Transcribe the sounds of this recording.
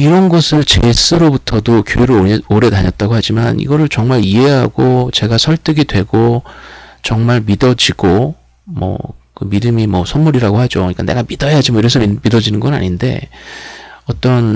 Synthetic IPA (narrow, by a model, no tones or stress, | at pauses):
iɾʌnɡʌsʰɯɭt͡ɕḛs͈ɯɾobutʰʌdokjo̰eɾɯoɾe̞taɲʌt̚t͈aɡoɦad͡ʑimanḭɡʌɾɯɭt͡ɕʌŋmaɾie̞ɦaɡot͡ɕe̞ɡasʰʌɭt͈ɯɡidwe̞ɡo | t͡ɕʌŋmaɭmidʌd͡ʑiɡo | mʌ̰kɯmidɯmimʌsʰʌnmuɾiɾaɡoɦad͡ʑoɯɲik͈ane̞ɡamidʌjad͡ʑimʌiɾʌsʰʌmidʌd͡ʑinɯnɡʌna̰ɲinde̞̰ | ʌt͈ʌn